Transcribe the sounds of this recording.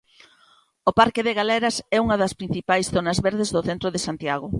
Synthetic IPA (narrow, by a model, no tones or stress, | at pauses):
opaɾkɪðeɣalɛɾɐsɛuŋɐðɐspɾin̟θipajsθonɐzβeɾðezðʊθent̪ɾoðesant̪jaɣo